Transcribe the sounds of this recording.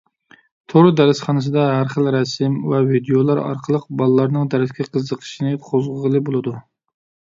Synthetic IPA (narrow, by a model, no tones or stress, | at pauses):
t̪ʰoɾɨd̪æɾɪsχɑnɨs̬ɨd̪ɑɦæɾχəlˠɾɛsɪmwɛvid̪ejolˠɑɾɑ̰ɾqʰəlˠəq̚bɑlˠɨlˠɑɾnɨŋd̪æɾɪt̪kʲɛqʰəzːəqʰə̥ʃinɨqʰozʁəʁəlˠɨbolˠɨd̪u